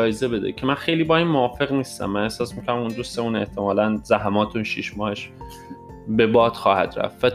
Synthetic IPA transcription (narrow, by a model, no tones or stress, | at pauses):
ɒːjeze̞be̞d̪ḛcʰemænxe̞jliːbɒːimmoɒːfe̞ɣniːst̪æ̰mːæne̞hsɒːsmiːkʰoɾæmund̪ust̪e̞muːne̞ht̪ʰemɒːlænzæɦæmɒːt̪ʰunʃiʃmɒːheʃ | be̞bɒːd̪̥xɒːhæ̰d̪̥ɾæ̰ft̪væ